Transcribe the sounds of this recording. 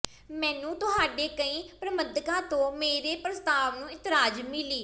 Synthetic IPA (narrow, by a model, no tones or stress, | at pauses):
mɛ̃ːnũːt̪ʊɦaːɖeːkəĩːpɾəməd̪kãːt̪õːmeːɾeːpɾəst̪aːʋnũːɪt̪ɪɾaːd͡ʒmɪliː